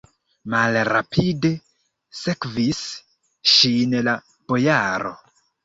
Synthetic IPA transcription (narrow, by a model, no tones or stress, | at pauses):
malɾapʰide̞ | sekvis | ʃinla | b̥o̞jaɾo̞̰